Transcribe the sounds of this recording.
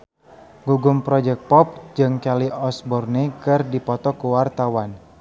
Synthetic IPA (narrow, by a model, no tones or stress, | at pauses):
ɡuɡʊmpɾɔd͡ʒɛk̚pɔp̚d͡ʒɨŋkaliɔsbɔrnekɨrdipɔt̪ɔkuwart̪awan